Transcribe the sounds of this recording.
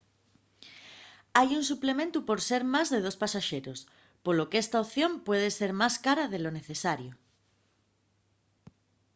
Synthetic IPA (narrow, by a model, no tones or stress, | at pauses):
ajuns̬uplemẽnt̪upoɾseɾmazðeð̞ospasaʃeɾos | polokest̪aoθjõ̞mpweð̞eseɾmaskaɾaðeloneθesaɾjo